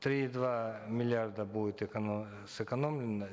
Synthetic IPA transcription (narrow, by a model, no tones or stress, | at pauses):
t̪ɾʲid̪vamʲɪlʲɪard̪əbuɪt̪ɪkɐ | sɨkɐnomlʲɪnə